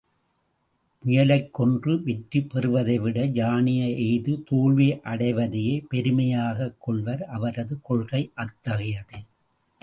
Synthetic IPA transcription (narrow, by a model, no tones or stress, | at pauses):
pʊjɐlɐɪkːɔndrɯʋɛʈripːɛrɯʋɐðɐɪʋɪɽɐd͡ʒaːnɪjɐʔɛɪðɯt̪oːɭʋiʔɐɽɐɪʋɐðɪjeːpɛɾɯmɐjaːɣɐkːɔɭʋɐɾʔɐʋɐɾɐðɯkɔɭɣɐɪʔɐt̪ːɐɣɪjɐðɯ